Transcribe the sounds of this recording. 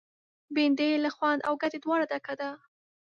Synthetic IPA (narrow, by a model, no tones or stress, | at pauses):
bend̪elaxwand̪a̰wɡat̪ed̪wɑɽad̪akad̪a